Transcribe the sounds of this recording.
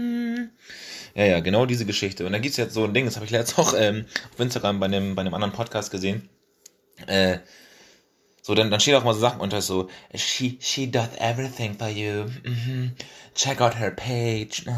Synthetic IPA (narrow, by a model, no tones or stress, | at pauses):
jaːjaːɡənaʊdiːzəɡəʃɪçtəʊntd̥aːɡip̚tsjɛt͡sz̥oːndɪŋdashaːbɪçlɛt͡staʊxʔɛːmaʊfʔɪnstaɡʁambaɪdembaɪdəmʔandəʁənpʰɔtkʰaːst̚ɡ̥əzeːn | ʔɛː | z̥oːdandanʃteːnaʊʔɪmaɐzoːzaχn̩ʔʊntɐsz̥oːʃiːʃidɐθɛ̰vɹiθɪ̃ŋfɔjum̩m̥m̩t͡ʃʰɛkaʊt̚ɦə˞pʰeɪd͡ʒ